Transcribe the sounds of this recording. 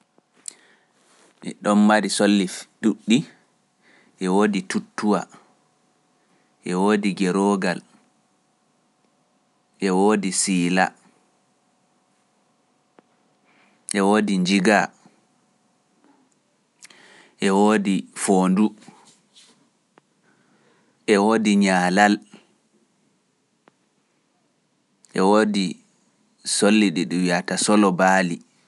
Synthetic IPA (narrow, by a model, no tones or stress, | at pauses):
ɛ̰ɗɔnmaɾisolːifɗuɗːi | ʔɛwoːditutːuwa̰ | ʔɛwoːdiɡɛɾɔɡal | ʔɛwoːdisiːla̰ | ʔɛwoːdiɲd͡ʒiɡa | ʔɛwoːdifoːndu | ʔɛwoːdiɲaːlal | ʔɛwoːdi | solːiɗiɗuwiatasɔlɔbaːli